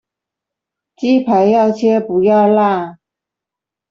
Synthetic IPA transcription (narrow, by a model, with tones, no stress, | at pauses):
t͡ɕi˥pʰa˨˦ɪjɑ˥˩ʊt͡ɕʰɛ˥pu˨˥˦jɑ˥˧ʊla˥˧˨